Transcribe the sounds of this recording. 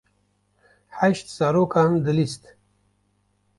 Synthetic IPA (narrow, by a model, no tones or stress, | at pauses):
ħaʃt̪saɾokand̪əlist̪